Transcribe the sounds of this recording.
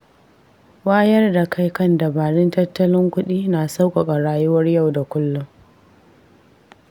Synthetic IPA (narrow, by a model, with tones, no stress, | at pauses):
waː˦jɐ˦rda˨ka˦jkɐ˦nda˨baː˨ɽɪ˦ntɐ˦tːɐ˦lɪ˦ŋkʷʊ˦ɗiː˦naː˨sa˦wkʷʼa˨kʼa˨ɽaː˨jʊ˦wɐ˦rja˦˨wda˨kʷʊ˦lːʊ˦ŋ